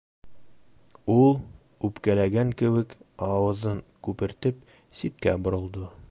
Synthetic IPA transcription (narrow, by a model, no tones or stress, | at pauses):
ulˠ | ʉpkælæɡæŋkɘ̆wɘkɑwɤ̆ðɤŋkʉpɘ̆ɾt̪ɘp̚ | sit̪̚kæ̰bŏɾŏlˠd̪ɤ